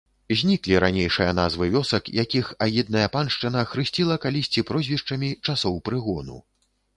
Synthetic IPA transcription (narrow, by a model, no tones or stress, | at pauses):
zʲnʲiklʲiɾanʲejʂɨjɐnazvɨvʲɔsɐkjakʲixajid̪̚nɐjɐpanʂt͡ʂɨnɐxɾɨsʲt͡sʲilˠɐkalʲisʲt͡sʲipɾɔzʲvʲiʂt͡ʂɐmʲit͡ʂasɔwpɾɨɣɔnṵ